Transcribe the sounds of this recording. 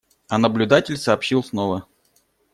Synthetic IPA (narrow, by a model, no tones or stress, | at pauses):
ɐnəblʲʊd̪atʲɪlʲsɐːpɕilˠsnovə